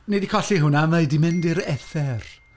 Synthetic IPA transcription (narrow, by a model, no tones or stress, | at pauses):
nedikʰɔɬiɦʊnamajdimɪndɪɾɛθɛr